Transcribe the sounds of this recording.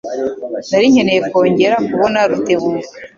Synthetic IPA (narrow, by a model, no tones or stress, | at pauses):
naɾiɲe̞nejeko̞ːɲɟe̞ɾakuβo̞naɾuteβuːka